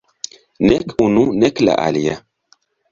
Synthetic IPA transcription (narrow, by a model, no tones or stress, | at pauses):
nɛkununɛkla̰ʔalija